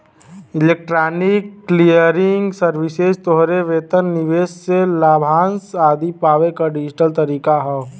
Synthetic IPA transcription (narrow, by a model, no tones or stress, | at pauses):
ɪleːk̚ʈɾaːnɪkːlijəɾɪŋɡsəɾʋɪsezt̪oɦɾeʋeːt̪ənnɪʋeːsselaːbʱaːnsaːd̪ʱipaːʋekaɖɪd͡ʒɪʈəlt̪əɾiːkaɦɛ